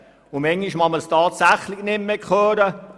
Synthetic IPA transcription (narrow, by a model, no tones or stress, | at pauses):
ʊmɛŋːiʃmɑməstɑːt̪sæχlɪɡnɪmmekχøːɾə